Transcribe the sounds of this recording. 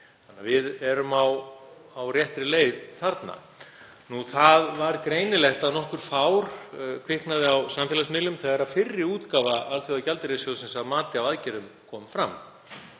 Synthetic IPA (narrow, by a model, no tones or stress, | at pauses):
θanːavɪðɛɾʏmaw | awrjɛht̪ɾɪleːjðθaɾt̪na̰ | nuθaðvaɾkɾeːjnɪlɛxt̪aðnɔhkʏɾ̥faːwɾ̥kʰvɪhknaðɪawsamfjɛlasmɪlʏmθɛɣaɾaðfɪrːɪuːt̪kaːvaalθjiaðcalt̪ɪɾesjoɣsɛmsaðmaːt̪ɪavaðcɛɾʏmkʰɔːmfɾamː